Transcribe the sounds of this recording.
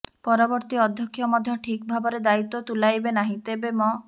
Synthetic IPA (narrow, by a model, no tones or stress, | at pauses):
pɔɾɔbɔɾt̪iɔd̪ʱjɔkʰːjɔmɔd̪ʱjɔʈʰikbʱabɔɾed̪ait̪ːɔt̪ulajbenaɦĩt̪ebemɔ